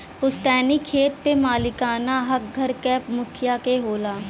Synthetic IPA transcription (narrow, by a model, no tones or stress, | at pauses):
pʊst̪ɛːnikʰeːt̪pemaːlɪkaːnaɦɐk̚ɡʱɐɾkɛːpmʊkʰjakeɦoːlaː